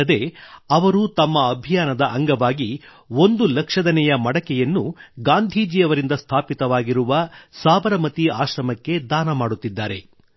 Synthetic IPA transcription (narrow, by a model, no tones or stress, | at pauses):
ɐd̪e̞ɐʋɐɾut̪ɐmːɐːbʱijaːnɐd̪ɐʔɐŋɡɐʋaːɡi | o̞nd̪ulɐkʂɐd̪ɐnɛjɐmɐɽɐkɛjɐnːuɡaːnd̪ʱiːd͡ʒiːɐʋɐɾind̪ɐst̪ʰaːpit̪ɐʋaːɡiɾuʋɐsaːbɐɾɐmɐt̪iaːʃɾɐmɐkːe̞d̪aːnɐmaːɽut̪ːid̪ːaːɾe̞̰